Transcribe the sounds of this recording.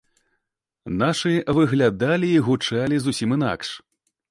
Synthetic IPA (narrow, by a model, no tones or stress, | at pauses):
naʂɨvɨɣlʲad̪alʲiːɣut͡ʂalʲizusʲimɨn̪a̰kʂ